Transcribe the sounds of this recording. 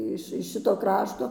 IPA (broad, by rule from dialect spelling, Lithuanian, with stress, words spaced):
ˈɪʃ ɪʃ ˈʃʲɪtoː ˈkrɑːʃtoː